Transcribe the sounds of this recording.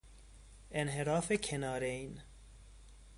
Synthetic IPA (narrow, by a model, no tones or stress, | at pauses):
ʔenɦeɾɒːfekʰenɒːɾein